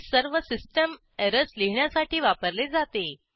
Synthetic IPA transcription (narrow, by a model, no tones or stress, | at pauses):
səɾʋəsisʈəm | eɾəsliɦɳjasaʈʰiːʋapəɾled͡zat̪e